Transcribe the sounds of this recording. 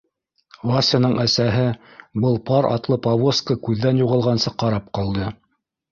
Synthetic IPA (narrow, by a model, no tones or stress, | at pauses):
vasʲɑnɤɴʔæsæɦɘbɤlˠpɑɾʔɑ̰t̪lˠɤpavoskəkʉðːænjuʁɤ̆lˠʁɑnsɤqɑɾɑp̚qɑlˠd̪ɤ